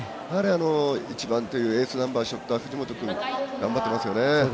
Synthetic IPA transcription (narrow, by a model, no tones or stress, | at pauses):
haɾeano̞it͡ɕibãnt̪o̞jɯ̟ːe̞ːsɨnãmbaːɕiot̪ːoaɸɯ̟ʑimo̞t̪okɯ̟̃ŋɡãmbat̪ːemasɨjo̞ne̞